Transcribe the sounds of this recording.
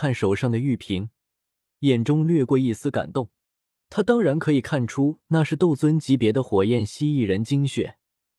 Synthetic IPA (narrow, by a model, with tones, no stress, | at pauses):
a˥˩nʂo˨˩ʊʂɑ˥˩ŋd̪ə˩y˥˩pʰi˧˥ŋ | jɛ˨˩nʈ͡ʂʊ˥ŋlɥɛ˥˧kwɔ˥˧i˥˩sɹ̩˥ka̰˨˩nt̪ʊ˥˩ŋ | t̪ʰa˥t̪ɑ˥ŋɻa˧˥nkʰɤ˧˥i˨˩kʰa˥˩nʈ͡ʂʰu˥na˥˧ʂɻ̩˥˧t̪o˥˩ʊt͡swə˥nt͡ɕi˧˥pjɛ˧˥d̪ə˧xwɔ˨˩jɛ˥˩nɕi˥i˥˩ɻə˧˥nt͡ɕi˥ŋɕɥɛ̰˨˩˦